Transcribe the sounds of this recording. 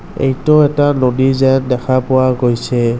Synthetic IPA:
ḛjtɔɛtalodizɛndɛkʰapʊwaɡojsɛ

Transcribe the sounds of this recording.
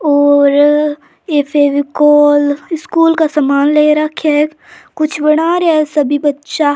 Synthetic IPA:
ɔːɾ | eːfʰeːʋikoːlɪskuːlkasɐmaːnleːɾɐkʰɛ | kʊt͡ʃʰbəɽ̃aɾɛsɐbʱibɐtːʃa

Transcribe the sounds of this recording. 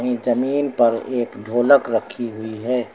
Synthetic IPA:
ɦĩd͡ʒɐmiːnpɐɾeːkɖʱoːləkɾəkʰiɦʊiɦɛː

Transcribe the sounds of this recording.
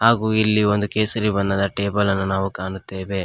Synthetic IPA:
haːɡuːilːio̞nd̪ukeːsɐɾibɐnːɐd̪ɐʈeːbɐlɐnːunaːʋukaːɳut̪ːeːʋe̞

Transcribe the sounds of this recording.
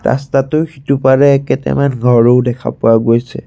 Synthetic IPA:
ɹa̰statʊxitupaɹɛːkɛtɛ̰manɡʱɔɹoʊdɛkʰa̰pʊwaɡojsɛ̰

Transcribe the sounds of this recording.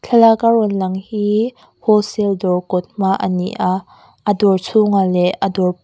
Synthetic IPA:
t͡ɬʰɐlakaɾɔnlɐŋhi | hɔsɛldɔwkɔt̪̚maʔənḭʔaʔ | ədɔrt͡sʰuŋalɛədɔr

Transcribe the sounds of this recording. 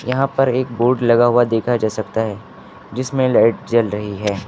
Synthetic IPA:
jɐɦãpɐɾeːk̚boːɾɖlɐɡaɦʊad̪eːkʰad͡ʒaːsɐkt̪aɦɛ | d͡ʒɪsmẽlaːɪʈ̚d͡ʒɐlɾɐɦiɦɛː

